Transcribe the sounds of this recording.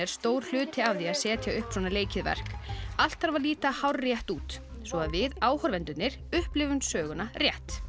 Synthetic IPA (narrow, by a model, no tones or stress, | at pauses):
ɛɾ̥st̪oːwɾ̥l̥ʏːt̪ʰɪavðiaðsɛːt̪jaʏhpsɔːnaleːjcɪðvɛ̰r̥kal̥t̪haɾvaɾliːt̪ahawrːjɛht̪uːt̪ | svɔaðvɪðaːwhɔɾvɛnt̪ʏt̪nɪɾ̥ | ʏhplɪvʏnsœːɣʏnarjɛht̪